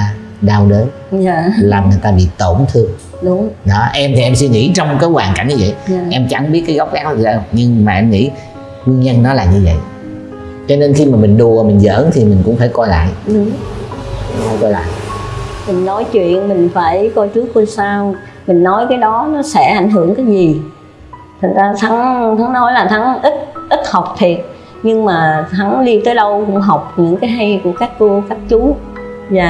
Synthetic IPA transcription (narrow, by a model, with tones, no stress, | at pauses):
ɗaː˧wɗə˨˦ | zaː˨laː˨˩mŋɨ˨˩jt̪aː˧ɓḭ˧˨t̪o˧˩nt̪ʰɨ˧əŋ | ɗʊ˨˦ŋ͡mɗɔ˨˦ʔɛ˧mt̪ʰi˨˩ʔɛ˧ms̬wi˧ŋḭ˧˥t͡ɕɔ˧wŋ͡mkaː˨˦jɣwaː˨˩nka̰˧˩n̟ɲɨ˧və̰˧˨jaː˧˨ʔɛ˧mt͡ɕa˧˩ŋɓi˦˥t̚kaː˨˦ɣa˦˥wk͡p̚ɣaː˦˥k̚la˧˩˨əː˧˩ɲɨ˧ŋmaː˨˩ʔɛ˧mŋḭ˧˥ | kwi˧ənɲə˧nːɔ˨˦laː˨˩ɲɨ˧və̰˧˨j | t͡ɕɔ˧ne˧nxi˧maː˨˩mï˨˩ŋ̟ɗu˧˩ə˨˩mï˨˩ŋ̟zə̰ː˧˥nt̪ʰi˨˩mï˨˩ŋ̟kʊ̰˧˥ŋ͡mfaː˧˩jkɔ˧jla̰ː˧˨jɗʊ˨˦ | ʊ˧˥ŋ͡mfaː˧˩jkɔ˧jla̰ː˧˨jmï˨˩ŋ̟nɔ˨˦jt͡ɕwḭ˧˨ənmï˨˩ŋ̟faː˧˩jkɔ˧jt͡ɕɨ˦˥əkxwə˧saː˧w | mï˨˩ŋ̟nɔ˨˦jkaː˨˦jɗɔ˨˦nɔ˨˦sɛ̰˧˩˥ʔa˧˩jŋ̟ɦɨ˧˩əŋkaː˨˦jzi˨˩ | t̪ʰɨ˨˩ŋzaː˧t̪ʰa˨˦ŋt̪ʰa˨˦ŋnɔ˨˦jlaː˨˩t̪ʰa˨˦ŋʔi˦˥t̚ʔi˦˥t̚ha˨˩wk͡p̚t̪ʰi˨˩ət̚ | ɲɨ˧ŋmaː˨˩t̪ʰa˨˦ŋɗi˧t̪əː˨˦jɗə˧wkʊ̰˧˥ŋ͡mɦa˨˩wk͡p̚ɲɨ̰˧˥ŋkaː˨˦jɦa˧jku˧˩əkaː˦˥k̚t̪u˧kaː˦˥k̚t͡ɕu˨˦zaː˨˩